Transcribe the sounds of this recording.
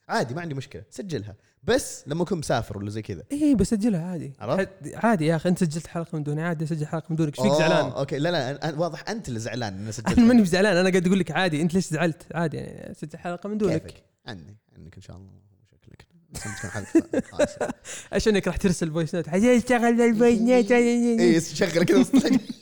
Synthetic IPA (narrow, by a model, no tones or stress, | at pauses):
ʕaːd̪imaʕɪnd̪imʊʃkɪlasad͡ʒːalɦa̰ | basːlamːaʔakuːnmʊsa̰ːfɪɾwalːazajːkɪd̪a̰ʔiːbasːad͡ʒːɪlhaʕaːd̪iʕɑ̰ɾˤɑaʕaːd̪ijaʔaxiʔɪnt̪sad͡ʒːalt̪ħalqɑmɪnd̪uːniʕaːd̪isad͡ʒːalħalqɑmɪnd̪uːnakʃfiːkzaʕlaːno̰keːlalaʔʔawɑːðˤɨħʔant̪lɪzaʕla̰ːnʔanasad͡ʒʔanmɪnːibzaʕlaːnʔanaɡad̪aɡuːlːɪkʕaːd̪iʔɪnt̪leːszaʕalt̪ʕaːd̪ija̰ʕnḭa̰sad͡ʒːalħalqɑmɪnd̪uːnak | ʕɪ̰nd̪iʕɪ̰nd̪akɪnʃa̰ʔɑlˤːɑ | ʃḁklak | ɪnt̪kṵːnħal | ʕa̰ʃaːnɪnːakɾˤɑːħt̪ɪɾsalbojsnoːt̪ħatːaːt̪aɣalːalbajnat̪aaaisʃaɣlksla